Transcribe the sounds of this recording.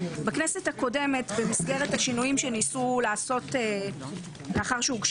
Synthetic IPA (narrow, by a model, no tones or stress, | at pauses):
baknese̞thako̞de̞me̞tbemisɡe̞ʁethaʃinujimʃenisulaːso̞te | meaχaʁʃeuɡʃ